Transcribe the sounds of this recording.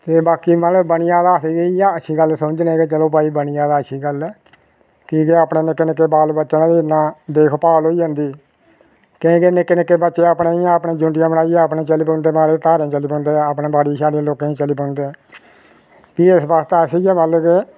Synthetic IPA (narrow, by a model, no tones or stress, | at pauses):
t̪eːbaːkiːməlbəɳɪjãːd̪aːəsiːeijaəʃʰiːɡəlsʊd͡ʒneːket͡ʃəloːpaːiːbənɪjãːd̪aːəʃʰiːɡəlɛː | kiːkeːaːpnẽːnɪkːenɪkːeːbaːlbətːʃnãːd̪iːnːãːd̪eːkʰpaːlɦoːiːd͡ʒãːnd̪iː | kɪ̃ːkeːnɪkːɪnkːeːbətːʃeːaːpnẽːiãəpnẽːd͡ʒʊ̃ːʈɪjãːbəɽaːijãːəpnẽːt͡ʃəliːpõːnd̪eːmaːɾeːt̪aːɾẽːt͡ʃəliːpõːnd̪eːapnẽːbaːɽiːsaːɖiẽːloːkẽːĩːt͡ʃəliːpõːnd̪eː | piːesbaːst̪eəsiːjɛːməlkeː